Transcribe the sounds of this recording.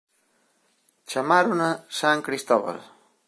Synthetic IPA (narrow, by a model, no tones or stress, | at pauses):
t͡ʃamaɾunasaŋkɾist̪ɔβa̰l